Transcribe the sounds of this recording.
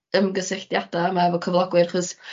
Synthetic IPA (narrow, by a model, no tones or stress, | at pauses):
əmɡəsɪɬd̥jad̥aamaɛvɔkʰəvlˠɔɡwɨrχɔs